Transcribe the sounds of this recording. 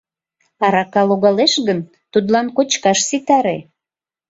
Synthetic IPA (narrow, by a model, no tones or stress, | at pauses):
ɑɾɑkɑloɣɑleʃɣən | t̪ud̪lɑnkot͡ɕkɑʃsit̪ɑɾe